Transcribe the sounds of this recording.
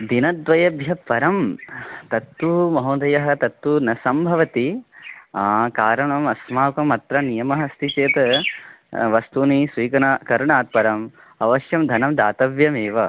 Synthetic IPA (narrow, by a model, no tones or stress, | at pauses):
d̪inɐd̪ʋɐjɐbʱjɐpɐɾɐmt̪ɐt̪ːumɐɦoːd̪ɐjɐɦɐ̆t̪ɐt̪ːunɐsɐmbʱɐʋɐt̪i | aːkaːɾɐɳɐmɐsmaːkɐmɐt̪ɾɐnijɐmɐɦɐst̪ʰit͡ʃeːt̪ɐ | ʋɐst̪unisʋiːkɐnakɐɾɐɳaːt̪̚pɐɾɐm | ɐʋɐʃjɐmd̪ʱɐnɐmd̪aːt̪ɐʋjɐmeːʋɐ